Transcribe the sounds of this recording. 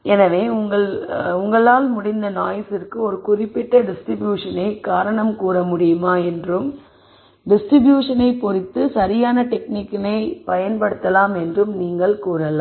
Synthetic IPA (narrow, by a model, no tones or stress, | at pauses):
ɛnɐʋeːʊŋɡɐɭʊŋɡɐɭaːlmʊɽɪnd̪ɐnaːjɐsɪrkɯɔɾɯkʊrɪpːɪʈːɐɖɪsʈɾɪbjuːʂɐnɐɪkaːɾɐɳɐmkuːrɐmʊɽɪjɯmaːɛndrɯm | ɖɪsʈɾɪbjuːʂɐnɐɪpɔrɪt̪ːɯsɐɾɪjaːnɐʈɛknikːɪnɐɪpɐjɐnpɐɽɯt̪ːɐlaːmɛndrɯmniːŋɡɐɭkuːɾɐlaː